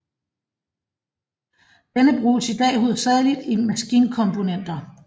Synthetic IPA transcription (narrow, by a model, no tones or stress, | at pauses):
d̥enəb̥ʁṵːsid̥ɛ̰ːhuð̰ˠɐsæɐðˠlid̥imæsɡ̥iːnkʰɒ̽mpʰo̝nen̰d̥ɐ